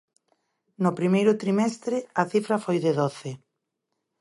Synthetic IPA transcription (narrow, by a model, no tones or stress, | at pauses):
nʊpɾimejɾʊt̪ɾimɛst̪ɾɪɐθifɾɐfojðɪðoθɪ